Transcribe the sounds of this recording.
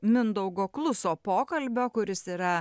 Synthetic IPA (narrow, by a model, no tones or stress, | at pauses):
mʲɪnd̪ɐʊɡoːklˠʊsoːpoːkɐlʲbʲoːkʊɾʲɪsiːɾɐ